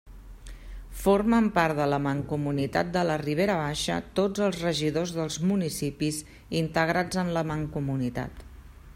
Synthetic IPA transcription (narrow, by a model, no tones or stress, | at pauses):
foɾməmpaɾt̪ðələməŋkumunit̪a̰t̪̚d̪ələriβ̞eɾəβ̞aʃə̰t̪od͡zəlˠzrəʒiðozðəlˠzmunisipiz | int̪əɣ̞ɾad͡zənləməŋkumunit̪a̰t̪